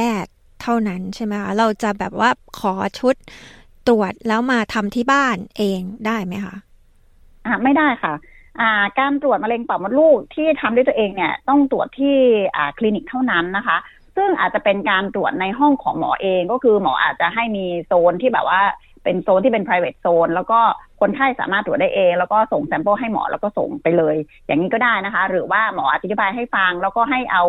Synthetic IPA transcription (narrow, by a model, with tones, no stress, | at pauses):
pɛː˥˩t̪ʰːa˥˩wna˦˥nt͡ɕʰa˥˩jma˦˥jkʰa˦˥ɾa˧wt͡ɕa˨˩bɛː˨˩p̚waː˥˩kʰɔː˩˦t͡ɕʰu˦˥t̪̚ː | ɾu˨˩ət̪̚lɛː˦˥wmaː˧t̪ʰa˧mt̪ʰiː˥˩baː˥˩nʔeː˧ŋdaː˥˩jma˦˥jkʰa̰˦˥ʔ | ʔaː˧˩ma˥˩jda˥˩jkʰa˥˩ | ʔaː˨˩kaː˧nt̪ɾu˨˩ət̪̚ma˧le˧ŋpa˨˩wm˧˦nluː˥˩k̚t̪ʰiː˥˩t̪ʰa˧mdu˥˩t̪ːʔeː˧ŋni˦˥˩ɐət̪ɔ˥˩ŋt̪ɾu˨˩ət̪ʰːiː˥˩ʔaː˨˩kʰli˧ni˨˩k̚t̪ʰa˥˩wna˦˥nːa˦˥kʰa˦˥ʔ | sɯ˥˩ŋʔaː˨˩t̪̚t͡ɕa˨˩pe˧nkaː˧nt̪ɾu˨˩ət̪̚na˧jɦɔ˥˩ŋkʰɔ̰ː˩˦ŋmɔ̰ː˩˦ʔeː˧ŋkɔː˥˩kʰɯː˧mɔ̰ː˩˦˥ʔa̰ː˨˩t̪̚t͡ɕa˨˩ɦa˥˩jmiː˧soː˧nt̪ʰiː˥˩bɛ̰ː˨˩p̚waː˥˩ | pe˧nsoː˧nt̪ʰiː˥˩pe˧npʰɾaː˧jwḛː˨˩t̪̚soː˧nlɛː˦˥wkɔː˥˩kʰo˧nkʰaː˥˩jsa̰ː˩˦maː˥˩t̪ːɾu˨˩t̪̚daː˥˩jʔeː˧ŋlɛː˦˥wkɔː˥˩so˨˩ŋsɛ˦mpɤː˥˩ɦa˥˩jmɔ̰ː˩˦lɛː˦˥wkɔː˥˩so̰˨˩ŋpa˧jlɤː˧j | jaː˨˩ŋːiː˦˥kɔ˥˩daː˥˩jna˦˥kʰa˦˥ɾɯː˩˦waː˥˩mɔː˩˦ʔa˨˩t̪̚a˧˦i˥baː˧jɦa˥˩jfa˧ŋlɛː˦˥wkɔː˥˩ɦa˥˩jʔa˧w